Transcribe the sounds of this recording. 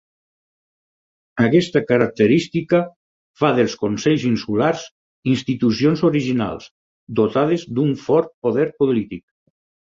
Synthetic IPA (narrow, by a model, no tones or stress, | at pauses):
akɛst̪akaɾak̚t̪əɾist̪ikə | faðelˠskonsɛʎzinsulaɾz | inst̪it̪usionzoɾiʒina̰lˠs | d̪ot̪að̞ezd̪uɱfɔɾt̪̚poðɛɾpolit̪ik̚